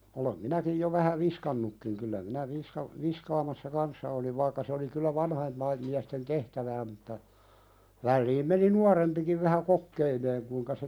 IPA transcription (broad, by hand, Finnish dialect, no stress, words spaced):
olem minækij jo ʋæhæ ʋiskɑnːukːiŋ kylːæ minæ ʋishɑ ʋiskɑːmɑsːɑ kɑnsːɑ oliʋ ʋɑikːɑ se oli kylːæ ʋɑnhɑimpɑim miæsten tehtæʋæː mutːɑ ʋælːiːm meni nuɑrempikiʋ ʋæhæ kokːeileːŋ kuĭŋkɑ se